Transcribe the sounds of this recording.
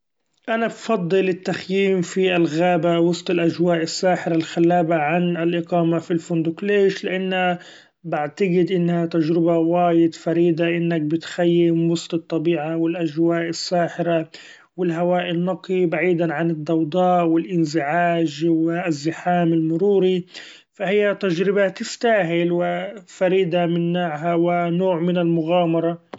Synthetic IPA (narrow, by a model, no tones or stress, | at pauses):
ʔanabfɑd̪ˤːɨlɪt̪ːaxjiːmfiʔalɣaːbawɑsˤt̪ˤɪlʔaʒwaːʔɪsːaːħɪɾalxalːaːbaʕanɪlʔɪqɑːmafilfond̪ʊkleːʃlɪʔanːa | baʕt̪aɡɪd̪ʔɪnːhat̪aʒɾɪbawaːjɪd̪faɾiːd̪aʔɪnːak̚bɪt̪xajːɪmwɑst̪ˤɨt̪ˤːɑbiːʕawɪlʔaʒwaːʔɪsːaːħɪɾa | wɪlɦawaːʔɪnːɑqibaʕiːd̪aʕanɪd̪ːɑwd̪ˤɑːʔwɪlʔɪnzɪʕaːʒwɪʔazːɪħaːmɪlmʊɾuːɾi | fahɪjːat̪aʒɾɪbat̪ɪft̪aːɦɪlwɪfaɾiːd̪amɪnːaːʕɦawɪnoːʕmɪnɪlmʊɣaːmɑɾˤɑ